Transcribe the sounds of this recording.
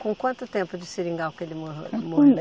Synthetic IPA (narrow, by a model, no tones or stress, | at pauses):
kõkwɐ̃nt̪ʊt̪ẽmpʊd͡ʒɪsiɾĩŋɡawkelɪmomo